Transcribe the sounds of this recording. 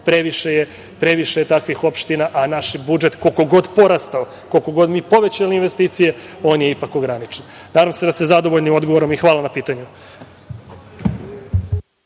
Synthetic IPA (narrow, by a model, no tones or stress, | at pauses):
pɾe̞ʋiʃeje | pɾe̞ʋiʃejet̪akʋixo̞pʃt̪inaʔanaʃbud͡ʒe̞t̪koko̞ɡo̞d̪po̞ɾast̪ao | ko̞lko̞ɡo̞d̪miːpo̞ʋe̞t͡ɕaliinʋest̪iːt̪sije̞o̞ːnje̞ipako̞ɡɾanit͡ʃen | naːd̪amsed̪asezad̪o̞ʋoʎnimo̞d̪ɡo̞ʋoɾomixʋaːlanapiːt̪aɲu